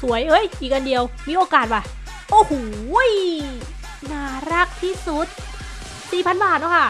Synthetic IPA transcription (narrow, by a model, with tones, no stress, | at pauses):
su˩˦əjʔɤ˦˥jiː˨˩k̚ʔa˧ndi˧əwmiː˧˩ʔoː˧kaː˨˩t̪̚wa˨˩ | ʔoː˧˩hoː˨˩j | naː˨˩ɾa˦˥˩k̚t̪ʰiː˥˩su˨˦˥t̪̚ | siː˨˩pʰa˧nbaː˨˩t̪̚nɔː˦˥˩kʰa˥˩